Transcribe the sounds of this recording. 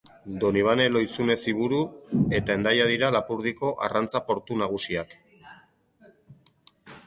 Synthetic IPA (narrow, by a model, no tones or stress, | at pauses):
d̪o̞niβ̞ane̞lo̞jt͡sune̞siβuɾue̞t̪ae̞nd̪ajaðiɾalapuɾð̞iko̞ʔarant͡sapo̞ɾt̪unaɣ̞usiak